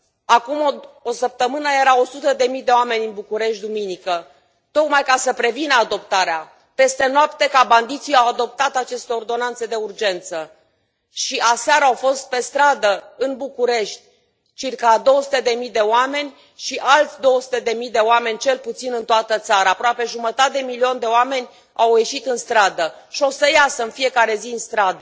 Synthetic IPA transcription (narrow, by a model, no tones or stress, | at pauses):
akumosəp̚t̪əmɨnəjeɾao̞sut̪əd̪e̞mijd̪e̞oame̞nʲɨnbukuɾe̞ʃt̪̚ʲd̪uminikə | t̪o̞kmajkasəpɾe̞vinəad̪o̞pt̪aɾea | pe̞st̪e̞noapt̪e̞kaband̪it̪sijawad̪o̞p̚t̪at̪at͡ʃe̞st̪e̞o̞rd̪o̞nant̪se̞d̪e̞urd͡ʒe̞nt̪sə | ʃiʔaseaɾaawfo̞st̪̚pe̞st̪ɾad̪əɨnbukuɾe̞ʃt̪ʲ | t͡ʃirkad̪o̞wəsut̪e̞d̪e̞mid̪e̞oame̞nʲ | ʃiʔalt̪sʲd̪o̞wəsut̪e̞d̪e̞mid̪e̞oame̞nʲt͡ʃe̞lput̪sinɨnt̪oat̪ət̪saɾaːpɾoape̞ʒumət̪at̪ed̪emilio̞nd̪e̞oame̞nʲ | awje̞ʃit̪ɨnst̪ɾad̪ə | ʃio̞səjasəɨnfije̞kaɾe̞ziɨnst̪ɾad̪ə